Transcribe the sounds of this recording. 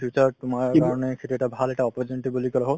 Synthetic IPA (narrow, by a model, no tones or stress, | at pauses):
ut͡ʃaɹtʊmaɹkaɹɔnekʰetuɛʈabʱalɛʈaɔpɔd͡ʒeniʈibolikɔlaɦo